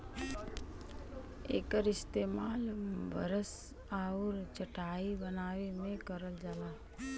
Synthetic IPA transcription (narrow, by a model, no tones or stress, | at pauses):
ḛːkəɾɪst̪eːmaːlbʱə̰ɾəs | aːʊɾt͡ʃəʈaːibənaːwemẽkəɾəld͡ʒaːlaː